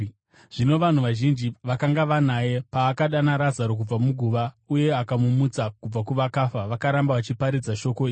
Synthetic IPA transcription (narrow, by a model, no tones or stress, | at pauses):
ʐ̥ino̞ʋan̤uʋaʒind͡ʒiʋakaŋɡaʋanaje̞paːkaɗanaɾazaɾo̞k̬ub͡vamuɡʱuʋa | uje̞akamumut͡sakub͡vakuʋakaːfaʋakaɾambaʋat͡ʃipaɾid͡zaʃo̞ko̞iːi